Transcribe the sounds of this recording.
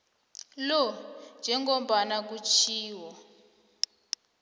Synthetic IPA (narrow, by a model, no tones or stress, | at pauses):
lɔnd͡ʒʱɛŋɡɔmbʱanak̬ut͡ʃʰiːwɔ